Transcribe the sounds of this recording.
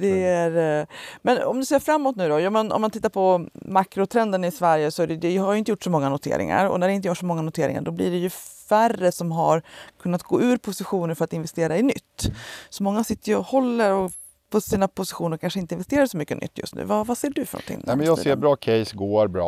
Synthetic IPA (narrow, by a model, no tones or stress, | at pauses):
d̪ɛæɾmɛnɔ̰md̪ɵseːɾfɾamːɔt̪nʉ̟ːd̪ɔjɑːmanɔ̰mːant̪ɪt̪ːaɾpʰɔmakɾʊt̪ʰɾɛnd̪ənɪsvæɾjəsɔæɖɛjd̪ɛhaɾjʏɪnt̪əjʊːʈːsɔmɔŋːanʊt̪ʰḛːɾʔɪ̰ŋa̰ɾɔ̰næɖɛɪnt̪əjuʈʂsɔmɔŋːanʊt̪ʰeːɾɪ̰ŋa̰ɖɔbliɖɛjɵværəsɔmɦaɾkʰɵnːat̪̚ɡo̰ːʉ̟ːɾpʰʊsɪɧuːnəɾfœɾat̪ɪnvɛst̪eːɾaɪnʏt̪ːsɔmɔŋːasɪt̪ːəjɔhɔlːəɾɔ | pʰɔsiːnapʰʊsɪɧuːnəɾkʰanʂəɪnt̪əɪnvɛst̪eːɾasɔmʏkːə̰nʏ̰t̪ːjɵ̰st̪nʉ̟̰ːvavaseːɖɵfœ̰ɾɳɔ̰nt̪ʰɪ̰ŋːɛmɛnjɑːeːɾbɾɑːkʰɛjsɡoːɾbɾɑ̰ː